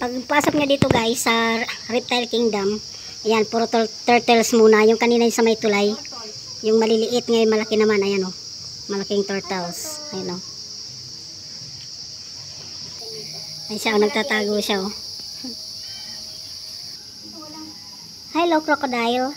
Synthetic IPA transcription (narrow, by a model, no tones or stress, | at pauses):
pɐɡ̚paːsok̚ɲad̪iːt̪oɡajsɐɾɪp̚t̪ajlkɪŋd̪ɐm | janpuɾot̪ot̪ɛɹt̪ɛlsmuːnɐjʊŋkɐniːnɐjʊŋsɐmajt̪ʊlaj | jʊŋmɐlɪlɪʔɪt̪̚ŋamɐlɐkɪnɐmanɐjɐno | mɐlɐkɪŋt̪ɛɹt̪als | ɐjɐno | ɐjʃaʔonɐɡ̚t̪at̪aːɡoʃao | hajlowkɾokod̪aol